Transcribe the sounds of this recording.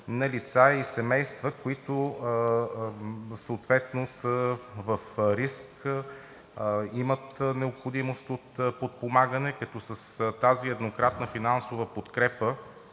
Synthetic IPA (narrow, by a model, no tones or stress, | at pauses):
nɐlit̪saisɛmɛjst̪vəkoit̪ʊ | səoːt̪vɛt̪nosəvəfɾisk | imət̪nɛopxod̪imost̪ot̪pot̪̚pomaɡənɛkɐt̪ɔsəst̪aziɛd̪nokɾat̪nəfinansovəpot̪kɾɛpə